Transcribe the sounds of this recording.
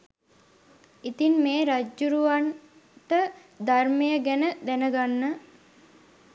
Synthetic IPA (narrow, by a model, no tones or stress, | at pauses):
it̪inmeːɾad͡ʒːuɾuʋan | ʈə | d̪armejəɡɛnəd̪ænəɡanːə